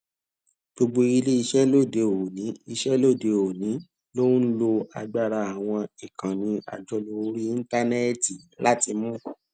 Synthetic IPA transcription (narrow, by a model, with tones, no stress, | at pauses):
ɡ͡b̥o˧ɡ͡bo˧i˧le˦i˧ʃɛ˦lo˦˨de˨˧o˨nĩ˨˦i˧ʃɛ˦lo˦˨de˨o˨nĩ˨˦ | lo˦lo˧a˧ɡ͡ba˦˨ɾa˧a˨w̃ɔ̃˧i˨kã˨nĩ˧ʔa̰˨d͡ʒɔ˧lo˧˦ɾi˦ĩ˦ta˦ne˦ti˨la˦ti˧mũ˦˨